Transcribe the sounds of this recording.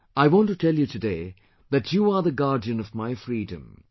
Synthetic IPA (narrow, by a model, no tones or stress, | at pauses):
aɪwɔ̃ntutʰɛlˠjutʰɨdeɪ | ðɨtʰjuːaðəɡaɹdiɨ̃nʌvmaɪfɹiːdɨ̰̃m